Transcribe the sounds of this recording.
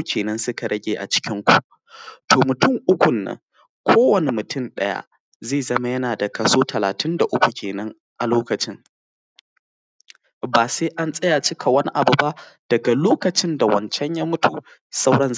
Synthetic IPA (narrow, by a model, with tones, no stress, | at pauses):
kʲʰeː˨nɐ˦nsʊ˦ka˨ɾɐ˦ɡʲeː˨ʔa̰˨t͡ʃɪ̥˦kʲɪ˦ŋkʷu˨ʔ | tʰoː˨mʊ˨tʊ˦˨ŋʔʊ˦kʷʊ˨nːɐ̰˦ŋ | kʷʰoː˦wɐ˨ne˨mʊ˨tʊ˦˨nɗɐ̰˦ja̰˦ | zeː˦˨zɐ˦ma˦jɐ˦naː˨da˨kɐ˨soː˦tʰɐ˨laː˨tɪ˦nda˨ʔʊ˦kʷu˨kʲeː˨nɐ˦ŋ | ʔa˨loː˦kɐ˨t͡ʃɪ˦ŋ | baː˨seː˦ʔa˦nsʼɐ˦ja˨t͡ʃɪ˦kʰa˨wɐ˦ni˦ʔa˨bu˨ba˦ʔd̥ɐ˨ɡa˨loː˦kɐ˨t͡ʃɪ˦nda˨wɐ˨nt͡ʃɛ˦ɲja˦mʊ˦tu˨ | sa˦wɽɐ˦nz